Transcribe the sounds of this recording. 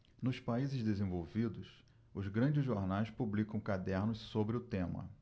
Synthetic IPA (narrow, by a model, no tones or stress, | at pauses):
nʊspaizɪzd̪ezẽvowvid̪ʊs | ʊzɡɾɐ̃d͡ʒɪzʒoɾnajspublikɐ̃w̃kad̪ɛɾnʊssobɾɪʊt̪ẽmɐ̰